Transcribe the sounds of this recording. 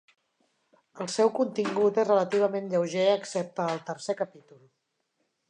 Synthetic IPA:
əlˠsɛwkunt̪iŋɡut̪ezrələt̪iβ̞əmenʎəwʒeəksɛp̚t̪əːlˠt̪ərsekəpit̪ulˠ

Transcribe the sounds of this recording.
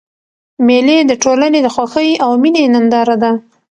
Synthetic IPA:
meled̪əʈolaned̪əxwaxəjawminenand̪ɑɾad̪a

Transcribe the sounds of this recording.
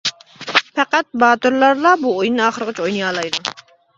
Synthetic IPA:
pʰɛqæt̪̚bɑːt̪ʊɾlˠɑɾlˠɑbuojnːɨɑːχəɾəʁət͡ʃʰojnɨjɑːlˠɑjd̪u

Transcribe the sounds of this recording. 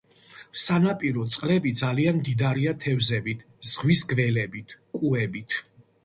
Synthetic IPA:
sanapʼiɾɔt̪sʼqʼlɛbid̪zalianmd̪id̪aɾiat̪ʰɛvzɛbit̪ʰ | z̥ʁwisɡvɛlɛbit̪ʰkʼuɛbit̪ʰ

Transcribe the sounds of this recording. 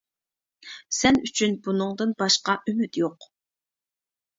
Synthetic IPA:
sɛnyt͡ʃʰynbunɨŋd̪ɨnbɑʃqɑʔymyt̪joq

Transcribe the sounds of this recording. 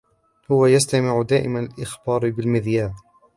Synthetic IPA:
hʊwajast̪amɪʕʊd̪aːʔɪ̰manalʔɪxbɑːɾˤbɪlmɪðjaːb

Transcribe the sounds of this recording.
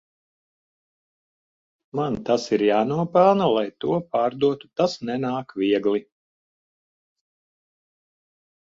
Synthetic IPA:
mant̪asiɾjaːnuɔpɛlˠnalˠajt̪uɔpaːɾd̪uɔt̪u̥t̪asnɛnaːkvʲiɛɡlˠi

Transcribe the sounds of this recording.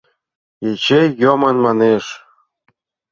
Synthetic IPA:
jet͡ɕejːomɤnmɑneʃ

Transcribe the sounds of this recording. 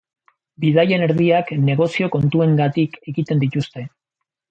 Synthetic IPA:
biðaje̞ne̞ɾðiakne̞ɣ̞o̞sio̞ko̞nt̪ue̞ŋɡat̪ike̞ɣit̪e̞nd̪it̪ust̪e̞

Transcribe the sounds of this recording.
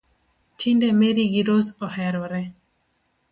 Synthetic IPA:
tʰindɛmeɾiɡiɾosɔhɛɾɔɾɛ

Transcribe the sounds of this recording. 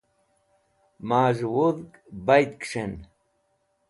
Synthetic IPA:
maːʐwuðkbajt̪kʂen

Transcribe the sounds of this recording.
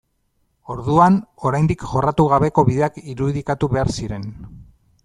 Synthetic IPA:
o̞ɾðuano̞ɾajnd̪ikʝo̞rat̪uɣaβe̞ko̞βiðe̞akiɾuðikat̪uβe̞aɾsiɾe̞n

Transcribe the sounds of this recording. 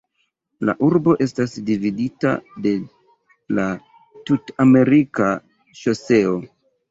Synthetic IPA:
la̰ʔuɾbo̞ʔe̞stasdividita̰de̞ | la | tutame̞ɾika | ʃose̞o̞

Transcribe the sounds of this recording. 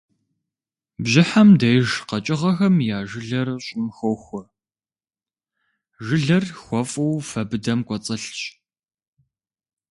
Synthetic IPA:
bʑɪħamdɐjʒqɐt͡ʃʼɪʁɐxɐmjaːʒɪɮɐrɕʼɪmxowxʷɔ | ʒɨɮɐrxʷɔfʼɐwfɐbɨdɐmkʷʼɔt͡sʼɐɬt͡ʃʼ

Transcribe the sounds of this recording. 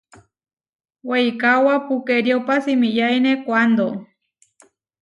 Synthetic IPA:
weikawapukeɾjopasimijajnekʷand̪o

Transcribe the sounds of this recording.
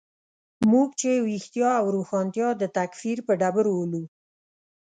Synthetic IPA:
muɡt͡ʃewixt̪jɑawɾoxɑnt̪jɑd̪ət̪akfiɾpəɖabəɾwolu

